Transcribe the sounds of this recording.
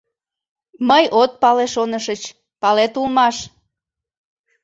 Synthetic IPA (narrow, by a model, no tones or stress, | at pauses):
məjot̪̚pɑleʃonəʃət͡ɕ | pɑlet̪ulmɑʃ